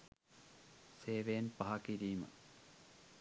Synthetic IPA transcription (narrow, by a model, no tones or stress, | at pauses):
seːʋejnpɐɦɐkiɾiːmə̰